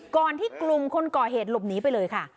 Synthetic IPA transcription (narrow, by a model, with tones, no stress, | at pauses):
kɔː˨˩nt̪ʰiː˥˩klu˧mkʰo˧nkɔː˨˩ɦeː˨˩t̪̚lo˨˩p̚niː˨˦˥pa˧jlɤː˧jkʰa˥˩